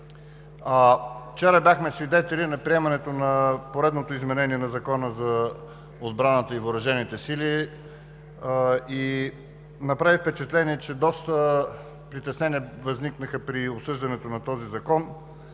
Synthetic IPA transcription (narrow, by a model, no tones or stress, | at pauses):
aft͡ʃɛɾəbʲjaxmɛsvid̪ɛt̪ɛlinɐpɾiɛmɐnɛt̪onɐpoɾɛd̪not̪oizmɛnɛniɛnɐzɐkɔnəzɐ | od̪bɾanət̪əivoɾɐʒɛnit̪ɛsili | i | nɐpɾavifpɛt͡ʃɛt̪lɛniɛt͡ʃɛd̪ɔst̪ə | pɾit̪ɛsnɛniəvɐzniknəxəpɾiopsɤʒd̪ɐnɛt̪onɐt̪ɔzizɐkɔn